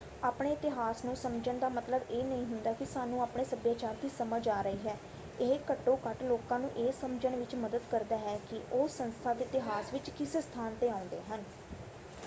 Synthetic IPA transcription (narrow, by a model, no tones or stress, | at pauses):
aːpɳeːɪt̪ɪɦaːsnũːsəmd͡ʒəɳd̪aːmət̪ləbeːnəĩːɦʊnd̪aːkɪsaːnũːaːpɳeːsəbjaːt͡ʃaːɾd̪iːsəməd͡ʒaːɾəiːɦɛː | ekəʈːõːkəʈloːkãːnũːʔeːsəmd͡ʒəɳʋɪt͡ʃməd̪əd̪kəɾd̪aːɦɛːkɪʔoːsənst̪ʰaːd̪eːɪt̪ɪɦaːsʋɪt͡ʃkɪsst̪ʰaːnt̪eːãːʊ̃nd̪ḛːɦən